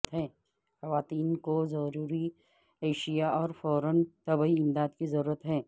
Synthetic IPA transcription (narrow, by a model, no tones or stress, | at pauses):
t̪ɦɛ̃ː | xɐʋaːt̪iːnkozɐɾuːɾi | eːʃijaɔːɾfɔːɾənt̪ɐbiɪ̃md̪aːd̪kizɐɾuːɾət̪ɦɛ̃ː